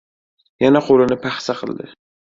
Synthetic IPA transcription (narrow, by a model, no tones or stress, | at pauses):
janaqʰolɪnɪpʰaχsaqʰɨlˠd̪ɪ̰